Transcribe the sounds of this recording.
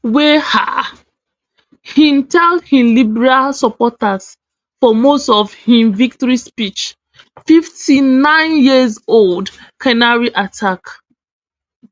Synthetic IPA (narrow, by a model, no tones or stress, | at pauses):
weha̰ | hĩntɛldhĩmlibɛɹalsəpɔtaz̥ | fɔmostɔv̥hĩmvik̚tɔɹispit͡ʃ | fiftʰinãɪ̃njizoldkʰɛnaɹiʔatʰak